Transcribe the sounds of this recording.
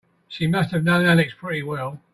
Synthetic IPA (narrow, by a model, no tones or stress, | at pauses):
ʃimʌst̚hɨvnə̃ʊ̃nælɪkspʰɹ̥ɪɾiwɛlˠ